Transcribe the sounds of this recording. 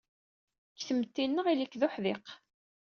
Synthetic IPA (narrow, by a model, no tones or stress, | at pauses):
kθəmt̪ːinːəʁilikːðʊħðɪq